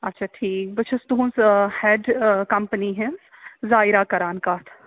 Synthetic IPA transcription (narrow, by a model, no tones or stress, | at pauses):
ɐtːʃʰaːʈʰiːk̚bɐt͡ʃʰɐsd̪unshɛːɖkɐmpəniɦɛ̃zaːɪɾakɐɾaːnkaːt̪ʰ